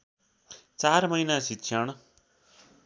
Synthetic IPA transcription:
t͡sarmʌjnasikɕʰjaɽ̃

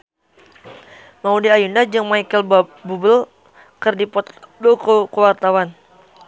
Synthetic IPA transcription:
maudiajundad͡ʒɨŋmaikəlbubəl | kərdipɔt̪bokokəwart̪awan

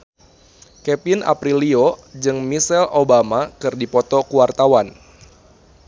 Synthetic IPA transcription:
kɛpinʔa̰pɾiliod͡ʒɨŋmisɛlobamakɨrdipɔt̪ɔkuwart̪awan

